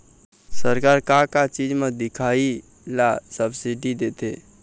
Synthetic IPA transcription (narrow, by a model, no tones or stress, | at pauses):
səɾkaːɾkakat͡ʃid͡ʒmed̪ɪkʰai | lasəbsiɖid̪et̪e